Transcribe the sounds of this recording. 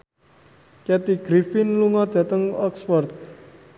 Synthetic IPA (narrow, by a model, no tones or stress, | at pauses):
kɛt̪iɡ̥ɾifɪnluŋɔd̪̥ä̤t̪əŋɔksfɔrt̪̚